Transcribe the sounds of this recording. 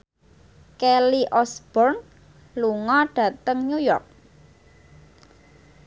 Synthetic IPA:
keliʔɔsb̥ɔrn | luŋɔɖ̥ä̤t̪əŋɲujɔ̰rk̚

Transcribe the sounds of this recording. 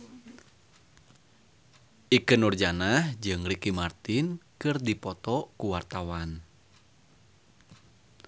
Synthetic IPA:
ʔikɨnurd͡ʒanahd͡ʒɨŋɾikimart̪inkɨrdipɔt̪ɔkuwart̪awan

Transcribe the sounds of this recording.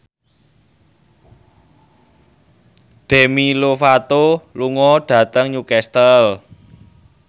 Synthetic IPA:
ɖ̥e̤milofat̪oluŋɔɖ̥ä̤t̪əŋɲukɛst̪əl

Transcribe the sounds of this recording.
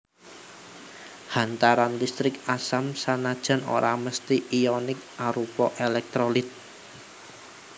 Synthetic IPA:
hant̪aɾanlist̪ɾɪkasamsanad̥ʒ̥a̤no̰ɾʔaməst̪iʔijɔnɪk̚ʔaɾupɔʔelɛk̚t̪ɾolɪt̪̚

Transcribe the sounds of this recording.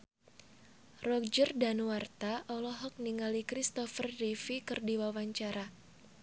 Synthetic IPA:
rɔk̚d͡ʒərdanuwart̪aʔɔlɔɦɔk̚niŋalikɾist̪ɔfərdifikɨrdiwawaɲt͡ʃaɾa

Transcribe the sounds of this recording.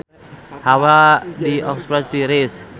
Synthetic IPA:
hawadiɔkspɾasɾiɾes

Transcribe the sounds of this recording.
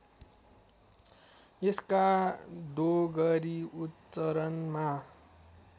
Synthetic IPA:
eskad̪oɡʌɾiut̪ | t͡sʌɾʌnma

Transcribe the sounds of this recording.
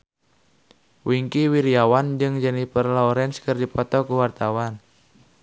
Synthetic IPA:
wiŋkiwiɾiawand͡ʒɨŋd͡ʒənipərlaɔɾɛnskərdipɔt̪ɔkuwart̪awan

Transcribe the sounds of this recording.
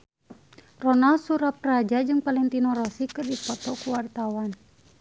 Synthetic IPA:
rɔnalsuɾaprad͡ʒad͡ʒɨŋpalɛŋt̪inɔɾɔsikɨrdipɔt̪ɔkuwart̪awan

